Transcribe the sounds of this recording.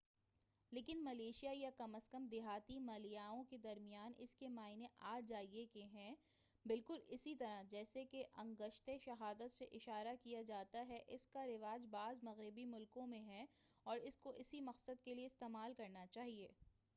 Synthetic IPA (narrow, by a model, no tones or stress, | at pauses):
leːkɪnmɐleːʃijajakɐməskɐmd̪ɪɦaːt̪imaːlijaːõked̪ɐɾmijaːnɪ̰skemaːɪneʔaːd͡ʒaːiekeɦɛ̃ | bɪlkʊlɪsit̪ɐɾad͡ʒɛːsekeʔɐ̃ŋɡəʃt̪eʃɐɦaːd̪ət̪seʔɪʃaːɾakijad͡ʒaːt̪aɦɛʔɪskaɾɪʋaːd͡ʒbaːzmɐɣɾɪbimʊlkõmẽɦɛɔːɾɪskoʔɪsimɐqsəd̪kelieɪst̪eːmaːlkɐɾnat͡ʃaːɦieː